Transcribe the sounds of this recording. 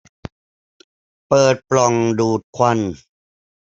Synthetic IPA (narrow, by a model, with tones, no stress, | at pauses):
pɤː˨˩t̪̚plɔ˨˩ŋduː˨˩t̪̚kʰwa˧n